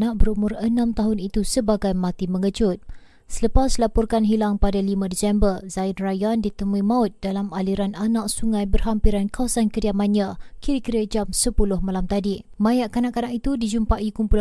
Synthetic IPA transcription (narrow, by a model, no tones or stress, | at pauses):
naʔ̚bəɾumʊrənãmt̪aɦʊnit̪usəbaɡajmat̪imə̃ŋəd͡ʒʊt̪̚ | sələpaslapɔrkanɦilaŋpadalimãdisɛmbərzainrajandit̪əmuimaʊt̪̚dalamaliɾananaʔ̚suŋajbərɦampiɾankawasankədiamanakiɾikiɾəd͡ʒamsəpulʊhmalamt̪adi | majaʔkanaʔkanaʔit̪udid͡ʒumpaʔikumpul